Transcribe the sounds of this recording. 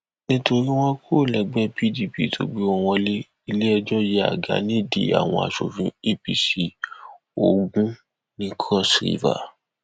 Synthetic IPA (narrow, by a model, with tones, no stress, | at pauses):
nĩ˦to˧ɾi˦w̃ɔ̃˦kʰo˦˨lɛ˧ɡ͡bɛ˦pi˦di˨pḭ˦˨tʰo̰˧ɡ͡be˦ɔ˧w̃ɔ̃˧le˦ | i˧le˦ɛ˧d͡ʒɔ˦je˦a̰˨ɡa̰˨˦nĩ˦˨dḭ˨a̰˨w̃ɔ̰̃˧a̰˨ʃo˨fĩ˧e˦pi˦si˦ | o˨ɡũ˦ | nĩ˦kʰɔ˦˨sɾḭ˦˨va̰˨